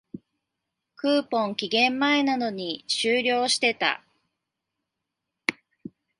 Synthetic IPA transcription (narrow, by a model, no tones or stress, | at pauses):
kɯ̟ːpõ̞ŋkʲiɡẽ̞mːae̞nano̞ɲ̟iɕɨːɾʲo̞ːɕi̥t̪e̞t̪a̰